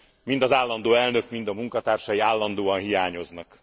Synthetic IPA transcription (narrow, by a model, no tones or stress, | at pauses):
mind̪ɒzaːlːɒnd̪oːɛlnø̞kmind̪ɒmuŋkɒt̪aːrʃɒjiaːlːɒnd̪oːɒnɦijaːɲo̞znɒk